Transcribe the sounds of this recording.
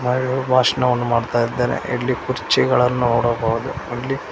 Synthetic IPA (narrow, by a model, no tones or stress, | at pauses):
mɐobʱaːʂɐɳɐʋɐnːumaːɽt̪aːjid̪ːeːnḛʔḛlːikuɾt͡ʃːiɡɐɭɐnːuoːɽɐbaːʋɐd̪uɐlːi